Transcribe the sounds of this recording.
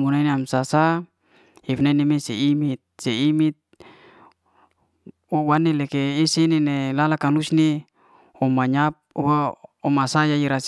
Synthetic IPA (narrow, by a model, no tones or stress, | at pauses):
munaineamsasa | ifnainemeseimit̪̚seimit̪̚ | owanelɛkeːsenenelalakalusne | ɔmaɲap̚uwaɔmasajaiɾas